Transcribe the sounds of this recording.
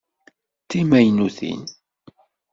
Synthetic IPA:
t̪ːimæjnuθḭn

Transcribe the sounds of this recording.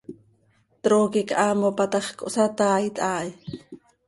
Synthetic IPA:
t̪ɾoːkikʔaːmopat̪ɑχko̰ʔsat̪aːjt̪ʼʔaːj

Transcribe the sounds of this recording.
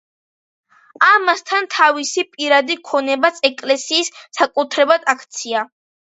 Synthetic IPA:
amast̪ʰant̪ʰavisipʼiɾad̪ikʰɔnɛbat̪sʰɛkʼlɛsiːsːakʼut̪ʰɾɛbad̪akʰt̪sʰia

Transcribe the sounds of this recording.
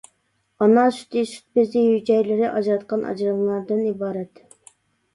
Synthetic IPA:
ɑnɑsy̥t̪isy̥t̪̚bɪzɪhyd͡ʒɛjlɪɾɪʔɑd͡ʒɾɑt̪qɑnʔɑ̰d͡ʒɾəŋlˠɑɾd̪ɨnibɑːɾɛt̪

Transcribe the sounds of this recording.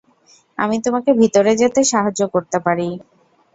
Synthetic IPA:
a̰mit̪omakebʱit̪oɾed͡ʑat̪eʃaɦad͡ʑokoɾt̪epaɾi

